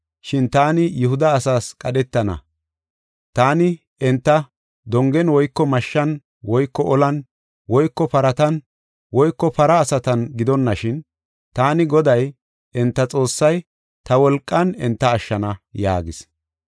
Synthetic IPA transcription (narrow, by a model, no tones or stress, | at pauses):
ʃɪnt̪aːnɪjʊhʊd̪ɐːsaːskʼɐɗɛt̪ːɐnɐ̰ | t̪aːnɪ | ɛnt̪ːɐ | d̪ɔŋɡɛnwɔjkːɔmɐʃːɐn | wɔjkːɔʔɔlɐn | wɔjkːɔpɐɾɐt̪ɐn | wɔjkːɔpɐɾɐːsɐt̪ɐnɡɪd̪ɔnːɐʃɪn | t̪aːnɪɡɔd̪ɐj | ɛnt̪ːɐt͡sʼo̞ːsːɐj | t̪ɐwɔlkʼːɐnɛnt̪ːɐːʃːɐnɐja̰ːɡɪs